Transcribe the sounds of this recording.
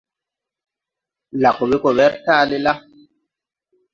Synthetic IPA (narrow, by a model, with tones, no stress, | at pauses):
la˨ko˨bi˦ko˨βɛ˦ɾtaː˦˨li˦la˦